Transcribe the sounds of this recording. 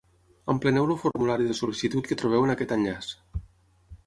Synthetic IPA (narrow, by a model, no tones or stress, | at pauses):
əmplənɛwlufuɾmulaɾiðəsulisit̪ut̪̚kət̪ɾuβɛwənakɛt̪aʎʎas